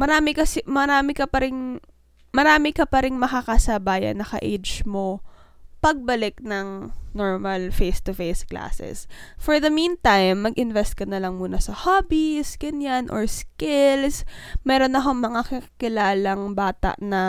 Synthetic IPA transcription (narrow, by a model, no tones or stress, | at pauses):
mɐɾaːmɪkɐsɛmɐɾaːmɪkɐpɐɾɪŋ | mɐɾaːmɪkɐpɐɾɪŋmɐkakasɐbaːjɐ̰nːɐkɐ̰ʔḛjd͡ʒmo | pɐɡ̚bɐlɪk̚nɐŋnoɹmɐlfejst̪ʊfejskla̰ːsɛ̰sfɔɹðɐmĩːnt̪ajmːɐɡʔɪnvɛst̪̚kɐnɐlɐŋmuːnɐsɐhaːbisɡɐnjanʔo̰ɹskɪlsmɛːɾo̞nɐkoŋmɐŋakɪkkɪlaːlɐŋbaːt̪ɐ̰ʔnɐ